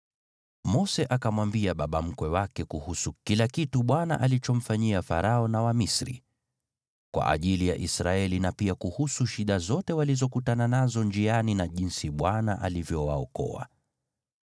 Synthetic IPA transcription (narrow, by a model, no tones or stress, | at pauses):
mɔsɛʔakamwambiaɓaɓam̩kwɛwakɛkuhusukilakituɓwana̰ʔalit͡ʃɔm̩faɲiafa̰ɾaɔnawamisɾḭ | kwa̰ʔa̰ʄilijaʔisɾaɛlinapiakuhusuʃiɗazɔtɛwalizɔkutananazɔnd͡ʒianinaʄinsiɓwanaʔa̰livjɔwaɔkɔ̰a̰